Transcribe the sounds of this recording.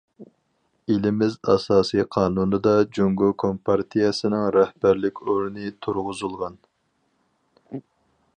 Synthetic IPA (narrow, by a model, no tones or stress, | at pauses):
elɪmɪzɑ̰sɑːsijqʰɑːnunɨd̪ɑd͡ʒuŋɡokʰompʰɑɾt̪ʰijɛsɪnɪŋɾɛhbæɾlɪkʲʰoɾnɨt̪ʰuɾʁʊzulˠʁɑn